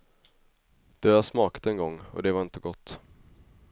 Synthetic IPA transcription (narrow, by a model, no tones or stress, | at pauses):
d̪̥ɛasmɑːkḁt̪ɛnɡɔŋːɔ̰d̪ɛvaɾɪnt̪əɡɔt̪ː